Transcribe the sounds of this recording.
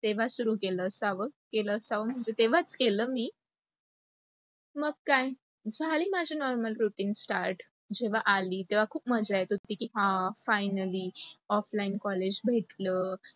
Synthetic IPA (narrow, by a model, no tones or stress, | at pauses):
t̪eʋ̤asuɾuːkeləsaʋəkeləsaʋəm̤əɳd͡zet̪eʋ̤at͡skeləːmiː | məɡ̚kaj | d͡zʱaliːmad͡ʑʱinɔɾməlɾuʈiːnsʈaɾʈ | d͡ʑeʋ̤aʔaliːt̪eʋ̤akʰuːpməd͡zajet̪ot̪ikiɦãfajnəliːɔflainkɔled͡ʑbʱeʈləː